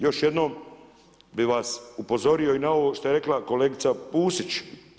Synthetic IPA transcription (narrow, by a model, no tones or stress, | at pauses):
jo̞ʃjed̪nom | biʋasupo̞zo̞ɾijo̞inao̞ʋoʃt̪oe̞ɾeklako̞leːɡit̪sapuːsit͡ʃ